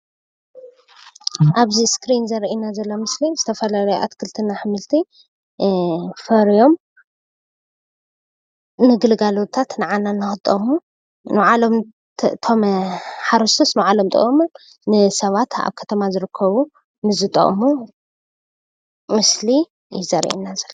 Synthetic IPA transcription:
ʔaβziskɾinzɐɾʔinazɐlːo̞mɨslizɨt̪ʰɐfɐlalɐjoʔa̰t̪kʰɨlt̪ʰɨnaħɨmɨlt̪ʰi | fɐɾijo̞m | nɨɡɨlɨɡalo̞t̪ʰat̪nɨʕanːanːɨxɨt̪ʼːɐ̰mu | nɨwʕalo̞m | t̪ʰo̞mħaɾɨst̪ʰosnɨʕalo̞mt̪ʼɐ̰ʔʼmu | nɨsɐβat̪ʰa̰βkʰɐ̥t̪ʰɐmazɨɾɨkʰːɐβu | mɨzɨt̪ʼɐ̰χʼmu | mɨsli | jɪzɐɾʔḭnazɐlːoo

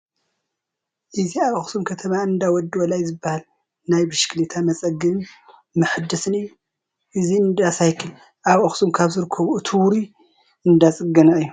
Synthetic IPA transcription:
ʔɨziaβʔxsumkʰɐt̪ʰɐmaɨnd̪awɔd̪ɨwɔlajzɨbːahal | najbɨʃklit̪ʰamɐt͡sʼɐɡɨβɨn | mɐħɨd̪ːɐsɨnɨjːu | ʔɨziɨnd̪asajkʰːɨn | ʔaβʔɐxsumkʰaβzɨɾɨkʰːɐβuɨt̪ʰɨwɾi | ɨnd̪at͡sʼɨɡɐnaʔɨjːu

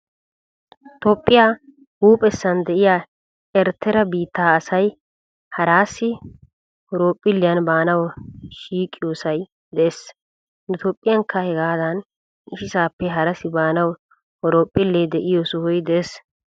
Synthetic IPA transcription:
t̪ɔpʼːɪjaː | huːpʼɛsːɐnd̪ɛʔɪjaː | ɛɾt̪ʰːɛɾɐbiːt̪ːaːsɐj | hɐɾaːsːɪ | ɔɾoːpʼːɪlːɪjɐnbaːnɐwʃiːkʼːɪjoːsɐj | d̪ɛʔes | nɛt̪ʰoːpʼːɪjɐŋkʰːɐhɛɡaːd̪ɐn | ɪʃɪsaːpːɛɦɐɾɐsɪbaːnɐw | hɔɾoːpʼːɪlːɛd̪ɛʔɪjɔsʊhʊjd̪ɛeːs

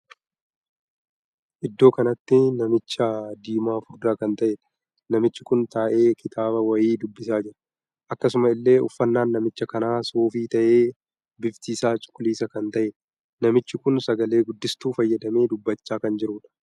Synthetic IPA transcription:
ʔɪd̪ːo̞ːkɐnɐt̪ːɪnɐmɪt͡ʃːɐd̪iːmaːfʊɾd̪aːkɐnt̪ɐʔeːᶑ | nɐmɪt͡ʃːɪkʊnt̪aːʔe̞ːkʰɪt̪aːbɐwɐjiːd̪ʊbːɪsaːd͡ʒɪɾɐ̥ | ʔɐkːɐsʊmɐɪlːe̞ːʊfːɐnːaːnːɐmɪt͡ʃːɐkɐnaːsoːfiːt̪ɐʔe̞ː | bɪft̪iːsaːt͡ʃʼʊ̥kʼːʊliːsɐkɐnt̪ɐʔeː | nɐmɪt͡ʃːɪkʊnsɐɡɐle̞ːɡʊd̪ːɪst̪uːfɐjːɐd̪ɐme̞ːd̪ʊbːɐt͡ʃːaːkɐnd͡ʒɪɾuːᶑɐ̥

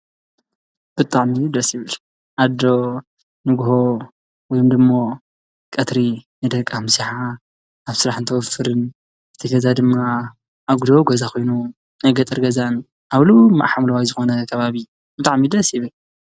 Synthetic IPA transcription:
b̥ɨt̪ʼaʕmid̪ɐsjɪβɨl | ʔad̪o̞ | nɨɡho̞ | wɔjomd̪ɨmːo̞ | kʼɐt̪ɾinɨjd̪ɐkʼːamsiħa | aβsɨɾaħɨnt̪ʰɐwɔfɨɾɨn | zɨt̪ʰɐɡɐzad̪ɨmːa | ʔːβɡud̪oɡozakʰo̞jnu | najɡɐt̪ʼɨɾɡɐzan | ʔaβluma̰ʔħamɾɐwajzɨxo̞nɐkʰɐβaβi | bɨt̪ʼaʕmid̪ɐsjɪβɨl

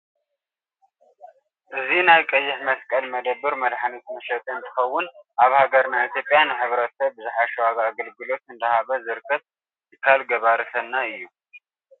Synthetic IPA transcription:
ʔɨzinajkʼɐjːɪħmɐskʼɐlmɐd̪əbːɨɾmɐd̪ħanit̪mɐʃɛt̪ʼɨɨnt̪ʰɨ̥xɐwːʊnʔaβhaɡɐɾnait̪ʰjo̞pʼːjanɨħɨβɾɐt̪sɐβːɨzɨħaʃuaβaɡəlɡɨlo̞t̪ɨnd̪ɐhaβɐzɨɾkʰɐt | jɨkʰalɡɐβaɾɨsʰɐnːaɨjːu

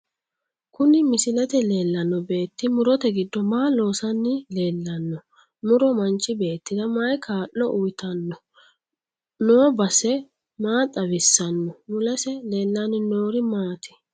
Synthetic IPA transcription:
kʊnɪmɪsɪlɐt̪ɛle̞ːlːɐnːɔbe̞ːt̪ːɪmʊɾɔt̪ɛɡɪd̪ːɔmaːlo̞ːsɐnːɪle̞ːlːɐnːɔ | mʊɾɔmɐnt͡ʃːɪbe̞ːt̪ːɪd̪ɐmajkʰaːʔːɔʔʊjt̪ɐnːɔ | noːbɐsɛ | maːt̪ʼɐbɪsːɐnːɔmʊlɐsɛle̞ːlːanɪnoːɾɪmaːt̪ɪ̥

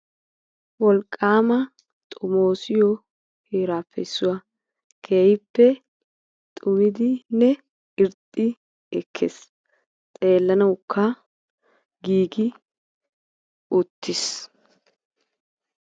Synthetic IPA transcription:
wɔlkʼːaːmɐ | t̪ʼʊmoːsɪjɔ | heːɾaːpːɛ̰ɪsːʊwa | kʰeːjɪpːɛ | t̪ʼʊmɪd̪ɪnɛ | ɪɾt̪ʼːɪ | ɛkʰːes | t̪ʼe̞ːlːɐnɐwʊkʰːa | ɡiːɡɪ | ʊt̪ːɪs

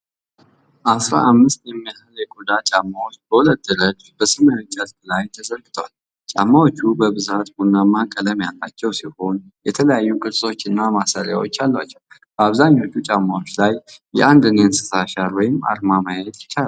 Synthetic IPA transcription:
ʔasɾa̰ʔamːɨst̪jɛmːijahəljɛɡʼod̪at͡ʃʼamːawot͡ʃːbəhulət̪̚d̪ɨɾəd͡ʒ | bəsɨmət͡ʃʼːazblajt̪ʰəzəɾɡɨt̪ʰəwal | t͡ʃʼa̰mːawot͡ʃːubəβɨzat̪hunːamːakʼələmjalt̪ʼat͡ʃːɛwsiho̞njɛt̪ʰələjajːukʼɨɾsʼo̞t͡ʃːɨnːamasaɾja̰wo̞̰t͡ʃːalːwat͡ʃːɛwb̥əaβzaɲːo̞t͡ʃːut͡ʃʼamːawo̞t͡ʃːlajjɛ̰ʔand̪ɨneɨnsɨ̥saʃaɾwɔjɪma̰ɾmamajɛt̪ʼjɪ̥t͡ʃːal

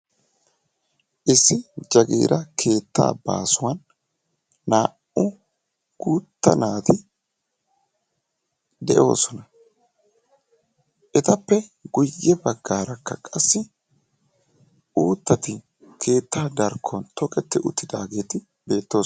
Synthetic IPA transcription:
ʔɪsːɪd͡ʒɐɡḛːɾʔɐkʰe̞ːt̪ːa̰ːba̰ːsʊwɐnː | aː | ʊ | ɡ̥uːt̪ːɐ̰naːt̪ɪ | d̪ɛʔo̞̰ːsɔnɐ | ʔɛt̪ɐpːɛɡʊjːɛbɐɡːaːɾɐkːɐkʼɐsːɪ | uːt̪ːɐt̪ɪ | kʰe̞ːt̪ːaːd̪ɐɾkʰːont̪ʰɔkʼɛt̪ːɪʔʊt̪ːɪd̪aːɡe̞ːt̪ɪ | be̞ːt̪ːo̞ː

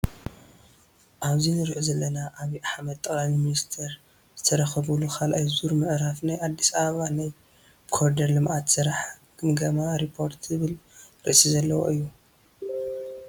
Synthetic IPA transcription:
ʔaβzinɨɾʕuzɐlːɐnaʔaβiʔaħmɐd̪̚t̪ʼɐbamiminist̪ʰɐɾ | z̥ɨt̪ʰɐɾɐxɐβulukʰalʔajzuɾmɨʕɾafnajʔad̪ːisaβɐβanaj | kʰoɾd̪ɐɾlɨmʔat̪sɨɾaħɡʰɨmɡɐmaɾipʰːo̞ɾt̪zɨβɨlɾɨ̰ʔsizɐlːɐwo̰ʔɨjːu

